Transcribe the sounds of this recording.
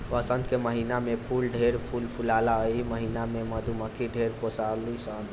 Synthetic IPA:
ʋəsənd̪keməɦinamepʰulɖʱeɾpʰulpʰulalaəiməɦinameməd̪ʱuməkʰiɖʱeɾkosalisən

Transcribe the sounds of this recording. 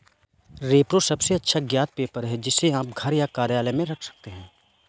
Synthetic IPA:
ɾeːpɾosɐbseɐtːʃʰaɡjaːt̪̚peːpəɾɦɛd͡ʒɪseaːp̚ɡʱɐɾjakaːɾjaːləmẽɾɐkʰsɐ̥k̚t̪eɦɛ̃ː

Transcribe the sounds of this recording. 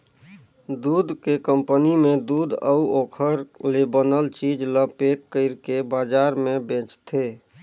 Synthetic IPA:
d̪uːd̪kekə̃mpənimẽd̪uːd̪ə̰uokʰəɾlebənəlt͡ʃid͡ʒləpekːəɪɾkebaːd͡ʒaːɾmẽbẽːt͡ʃt̪ʰe

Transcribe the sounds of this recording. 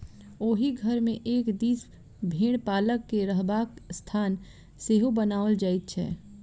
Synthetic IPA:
oːɦiɡʱəɾmẽʔeːkd̪iːs | bʱeːɽ̃paːləkːeɾəɦbaːkst̪ʰaːn | seɦubənaold͡ʒaːɪt̪̚t͡ʃʰɛ̰ː

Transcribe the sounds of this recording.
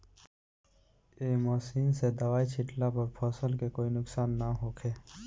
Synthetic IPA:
eːmɔːsiːnsed̪ɐʋaːit͡ʃʰɪʈlapɐɾpʰɔːsəlkekoːinʊksaːnːaɦoːkʰeː

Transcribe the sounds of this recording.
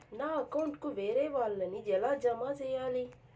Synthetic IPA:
naːɐkɐwɳʈkuʋeːɾeːʋaːɭːɐnid͡ʒɛlaːd͡ʒɐmaːt͡ʃɛjaːli

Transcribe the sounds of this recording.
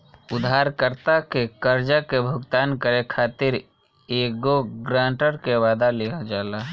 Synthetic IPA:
ʊd̪ʱɦaːɾkəɾt̪akekəɾd͡ʒakebʱʊɡt̪aːnkəɾekʰaːt̪ɪɾ | eːkɡoɡɾãːɳʈəɾkeʋaːd̪aleːad͡ʒaːlaɦ

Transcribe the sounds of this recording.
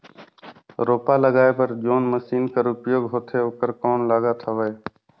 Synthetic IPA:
ɾoːpaːləɡaːepəɾd͡ʒoːnməsiːnkaːɾʊpjoːɡɦoːt̪ʰeːoːkəɾkoːnlaːɡaːt̪ʰəʋəeː

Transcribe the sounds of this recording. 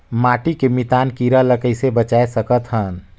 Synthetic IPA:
maːʈikemit̪aːnkiːɾaləkəɪsebət͡ʃaːesəkət̪ɦən

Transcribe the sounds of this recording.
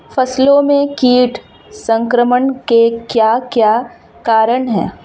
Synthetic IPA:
fʰɐslõmẽkiːʈʰ | sə̃ŋkɾəməɳkekjaːkjaː | kaːɾəɳ̃ɦɛ̰ː

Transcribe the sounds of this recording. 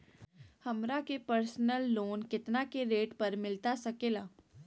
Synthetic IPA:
hɐmɾakepəɾsnəlːoːnkɪt̪nakeɾeːʈpɐɾmɪlt̪asɐkeːlaː

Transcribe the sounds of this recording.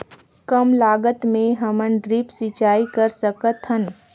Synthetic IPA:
kəmlaːɡət̪mẽɦəmənɖɾipsɪt͡ʃaːikəɾsəkət̪ɦən

